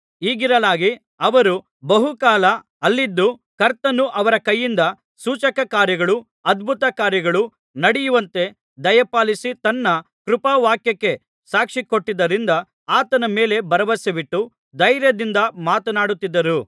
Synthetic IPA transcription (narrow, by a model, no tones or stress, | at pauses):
iːɡiɾɐlaːɡi | ɐʋɐɾu | bɐɦukaːlɐ | ɐlːid̪ːukɐɾt̪ɐnːuʔɐʋɐɾɐkɐjːind̪ɐ | suːt͡ʃɐkɐkaːɾjɐɡɐɭu | ɐd̪bʱut̪ɐkaːɾjɐɡɐɭu | nɐɽijuʋɐnt̪e̞ | d̪ɐjɐpaːlisit̪ɐnːɐ | kɾupɐʋaːkjɐkːe̞ | saːkʂiko̞ʈːid̪ːɐɾind̪ɐ | aːt̪ɐnɐme̞ːle̞bɐɾɐʋɐsɐbiʈːu | d̪ɐjɾjɐd̪ind̪ɐmaːt̪ɐnaːɽut̪ːid̪ːɐɾu